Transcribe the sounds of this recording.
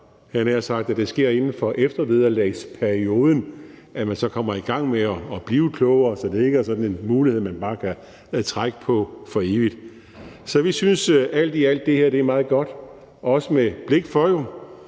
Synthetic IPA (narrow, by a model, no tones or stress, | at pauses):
hænæjɑsɑ̈ɡ̥̚d̥æd̥e̝sɡ̥e̝ɐ̰e̝nn̩fɒ̽ʔefd̥ɐʋeð̞ˠɐlɛɪspʰæɐio̝ːð̞ˠən̩ʔæmænsɒ̽kʰɒ̽m̰ɐiɡ̥ɑ̈ŋ̰meɒːb̥liːʊkʰlɔʊɐːsɒ̽d̥e̝e̝ɡ̥əæɐsɒ̽d̥n̩e̝nmuːliheð̰ˠmænb̥ɑ̈ːkʰæ | æt͡sʰʁaɡ̥əpʰɒ̽fɒ̽e̝ːʋid̥ | sɒ̽ʋisynsæl̰d̥iæl̰d̥ːe̝heɐd̥e̝æɐmɑ̈ːð̩ˠɡ̥ɒ̽d̥ | ɒ̽səmeb̥le̝ɡ̥fɒon